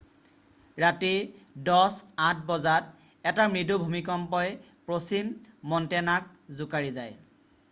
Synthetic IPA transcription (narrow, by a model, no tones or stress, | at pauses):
ɹatidɔsãt̚ʰbɔzat̚ | ɛtamɹidubʱumikɔmpɔj | pɹosimːɔntɛnak̚ | zʊkaɹizaj